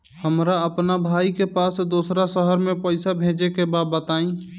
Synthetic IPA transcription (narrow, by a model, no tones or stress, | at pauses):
həmɾaəpnabʱaikepaːsd̪osɾasəɦəɾmẽpəɪsabʱẽːd͡ʒekebaːd̪̚bət̪aːĩ